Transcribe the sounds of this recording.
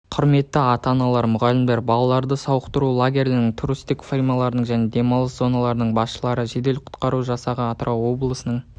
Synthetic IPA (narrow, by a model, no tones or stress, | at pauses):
qʰʊɾme̞tt̪ːɪɑt̪ɑnɑlˠɑɾmʊʁɑlɪmd̪eɾbɑlˠɑlˠɑɾd̪əsɑwəqt̪əɾulˠaɡʲe̞rlenɪŋt̪ʰuɾust̪ɪkfirmalˠɑɾənəɴʒæne̞d̪e̞mɑlˠəszo̞nɑlˠɑɾənəɴbɑsʃəlˠɑɾəʒe̞d̪e̞lqʰʊ̥t̪qɑɾuʒɑsɑʁəɑt̪ɾʔao̞blˠəsənəɴ